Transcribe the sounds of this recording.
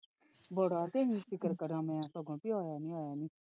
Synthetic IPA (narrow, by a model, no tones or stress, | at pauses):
bəɽaːt̪eːɦĩːfɪkəɾkəɾãːmɛ̃ãːsəɡõːpioːjaːnĩːaːjaːnĩː